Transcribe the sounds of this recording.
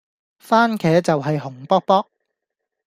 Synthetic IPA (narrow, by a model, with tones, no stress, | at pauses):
faː˥nkʰɛː˨˥t͡sɐ˨wɦɐ˨jhʊ˨˩ŋpɔː˥k̚pɔː˥k̚